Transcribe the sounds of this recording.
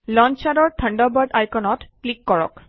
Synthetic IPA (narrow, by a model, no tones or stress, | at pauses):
lɔnt͡ʃaɾɔɹtʰəɳɖɔbaɖajkɔnɔtklikːɔɹɔ̰k